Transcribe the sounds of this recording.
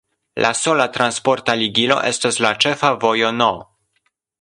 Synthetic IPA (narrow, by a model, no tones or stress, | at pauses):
lʔa̰so̞latɾanspo̞ɾtaliɡilo̞̰ʔe̞staslat͡ʃe̞favo̞jo̞no